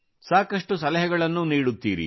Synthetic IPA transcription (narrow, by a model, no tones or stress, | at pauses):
saːkɐʂʈusɐlɐɦɐɡɐɭɐnːuniːɽut̪ːḭːɾḭ